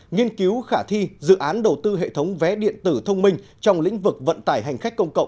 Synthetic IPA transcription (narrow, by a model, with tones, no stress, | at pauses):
ŋi˧ənki˨˦wxaː˧˩t̪ʰi˧zɨ̰˧˨ʔaː˨˦nɗə˨˩wt̪ɨ˧ɦḛ˧˨t̪ʰə˨˦wŋ͡mvɛ˨˦ɗḭ˧˨ənt̪ɨ˧˩t̪ʰə˧wŋ͡mmï˧ŋ̟ | t͡ɕɔ˧wŋ͡mlḭ̈˧˥ŋ̟vɨ˨˩k̚və̰˧˨nt̪aː˧˩jɦa˨˩jŋ̟xa˦˥jk̟kːə˧wŋ͡mkə̰˧˨wŋ͡m